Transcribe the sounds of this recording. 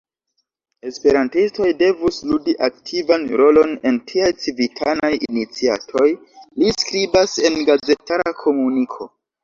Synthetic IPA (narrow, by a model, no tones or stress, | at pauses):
e̞spe̞ɾantisto̞jde̞vusludiʔak̚tʰivanɾo̞lo̞ne̞ntʰiajt͡sivitʰanajinit͡sia̰tʰo̞j | liskɾibase̞nɡaze̞tʰaɾakʰo̞munikʰo̞